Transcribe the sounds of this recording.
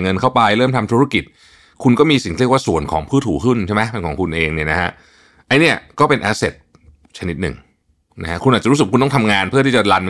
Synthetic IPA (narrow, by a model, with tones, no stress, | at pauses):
ŋɤ˧nkʰa˥˩wpa˧jɾɤː˥˩mt̪ʰa˧mt̪ʰu˦˥ɾa˥˩ki˨˩t̪̚ | kʰu˧nkɔː˥˩miː˧si˨˩ŋk̪ʰi˦˥˩əkwa˥˩su˨˩ənkʰɔ̰ː˩˦ŋpʰɯː˥˩t̪̚ʰːuː˨˩˦kʰɯ˥˩nt͡ɕʰe˥˩ma˦˥pe˧nkʰɔː˩˦ŋkʰu˧nʔeː˧ŋni˥˩na˦kʰa˦˥ʔ | ʔa˧jni˥˩ɐkɔː˥˩pe˧nʔa˧se˨˩t̪̚ | t͡ɕʰa˧ni˦˥t̪̚nɯ̰˨˩ŋ | na˦˥kʰa˦˥kʰu˧nʔaː˨˩t̚a˨˩ɾu˦˥sɯ˨˩ku˧nɔ˥˩t̪ʰa˧mŋaː˧npʰɯ˥˩t̪ʰiː˥˩t͡ɕa˨˩la˧n